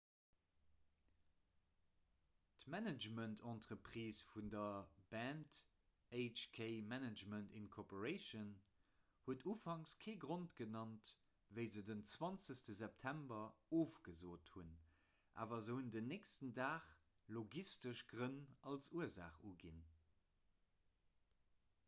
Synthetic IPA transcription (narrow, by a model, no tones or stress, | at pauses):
tmænəd͡ʒməntʰɑ̃ntʁəpʁiːsfundɐb̥æːnt | eɪt͡ʃkʰeɪmænəd͡ʒməntinkʰɔpoʁeɪʃən | huətuːfɑŋskʰeːɡʁontɡənɑnt | vəɪzədənt͡swɑnt͡səstəzɛp̚tʰæmbɐoːfɡ̥əzoːthun | ʔa̰ːvɐzəhundənːekstəndaːχ | loɡistəʃɡʁənʔɑlsuəza̰ːχuɡin